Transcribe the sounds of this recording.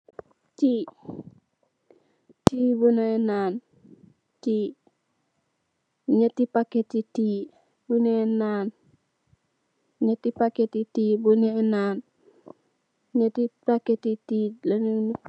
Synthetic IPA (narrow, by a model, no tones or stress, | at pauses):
ti | tibunaenaːn | ti | ɲatipaketiti | buneenaːn | ɲatipaketitibuninaːn | ɲetipaketitilanəŋni